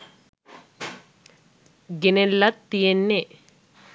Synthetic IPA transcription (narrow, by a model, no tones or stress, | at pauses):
ɡenelːɐt̪ːijenːe